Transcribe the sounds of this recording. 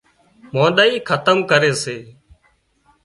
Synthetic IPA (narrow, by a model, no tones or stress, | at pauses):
mãːɗaːiːkʰət̪əmkəɾeːseː